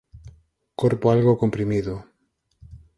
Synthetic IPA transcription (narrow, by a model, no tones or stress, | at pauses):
koɾpoalɣokompɾimiðo